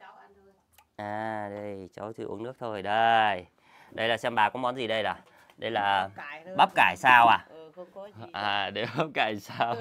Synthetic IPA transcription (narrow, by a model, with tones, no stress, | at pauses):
ʔaː˨˩ɗə˧jt͡ɕə˨˦wt̪ʰɨ˧ʔṵ˧˦ənɨ˦˥ək̚t̪ʰo˧jɗə˧j | ɗə˧jlaː˨˩sɛ˧mɓaː˨˩kɔ˨˦mɔ˨˦nzi˨˩ɗə˧jɗaː˨˩ | ɗə˧jlaː˨˩ɓa˦˥p̚kaː˧˩jsaː˧wʔaː˨˩ | ʔaː˨˩ɗe˧˨˩ɓa˦˥p̚kaː˧˩jsaː˧w